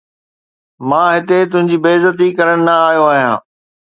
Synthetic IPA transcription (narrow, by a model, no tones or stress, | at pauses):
mãːɦɪt̪et̪ʊ̃ɦɪ̃ɲd͡ʑiːbeːzət̪ikɐɾəɽ̃ɪ̆nɐaːɦjoaːɦijã̰ː